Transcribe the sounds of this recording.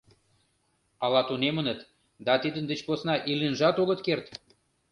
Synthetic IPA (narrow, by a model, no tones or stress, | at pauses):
ɑlɑt̪unemə̆nə̆t̪ | d̪ɑt̪id̪ə̆nd̪ə̆t͡ɕposnɑʔilenʒɑt̪oɣə̆t̪kert̪